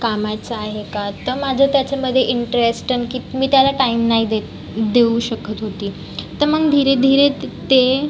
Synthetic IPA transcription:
kamajt͡saaɦekat̪əɾmad͡zʱət̪jat͡ɕaməd̪ʱːjeʔiɳʈəɾesʈənkiːmiːt̪jalaʈaimnaɦid̪e | d̪euɕəkət̪ɦot̪iː | t̪əɾməɡd̪ʱiɾed̪ʱiɾet̪e

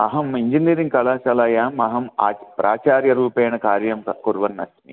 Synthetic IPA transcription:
ɐ̰ɦɐmiɲd͡ʒiniːɾiŋkɐlaːsɐlaːjaːmɐɦɐma̰ːpɾaːt͡ʃaːɾjɐɾuːpeːnɐkaːɾjɐmkuɾʋɐnːɐ̰snḭ

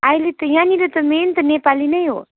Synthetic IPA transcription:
ajlet̪ʌjaniɾʌt̪ɔment̪ʌnepalinɐjɦo̰

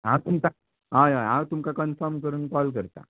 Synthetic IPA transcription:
ɦãt̪umka | ɦaaɦãt̪umkakənfɔɾmkəɾuːnkɔlk̬əɾt̪a̰

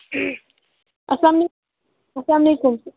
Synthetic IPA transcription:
ʔɐslaːmle | ɐslaːmɐlekʊm

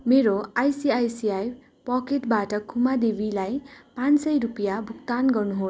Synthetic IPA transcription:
meɾoajsiajsiaj | pʌkeʈbaʈʌkʰumad̪ebilajpãnsʌjɾupjabʱukt̪anɡʌrnuɦos

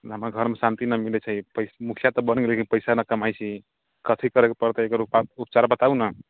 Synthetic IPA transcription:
ɦəmaɡʱəɾmesant̪inəmilɛt͡ʃʰəipəsmukʰijat̪ɔbənɡelekinpəɪsanəkəmajt͡ʃʰi | kət̪ʰikəɾɛkepəɾt̪eekəɾupaupt͡ʃaɾbət̪aunə

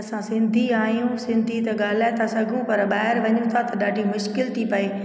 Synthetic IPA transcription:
ɐsãsɪ̃nd̪ʱiaːijũsɪ̃nd̪ʱit̪ɐɠaːl̤aːɪt̪ʰasɐɡʱũpɐɾɓaːɦɪɾʋɐɲũt̪ʰat̪ɐɗaːɖʱimʊʃkɪlt̪ʰipɐeː

